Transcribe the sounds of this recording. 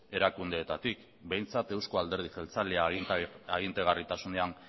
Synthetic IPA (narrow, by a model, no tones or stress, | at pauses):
e̞ɾakund̪e̞ːt̪at̪ik | be̞jnt͡sat̪e̞wsko̞ald̪e̞ɾð̞iselt͡saleaaɣ̞int̪e̞ɣ̞arit̪asune̞an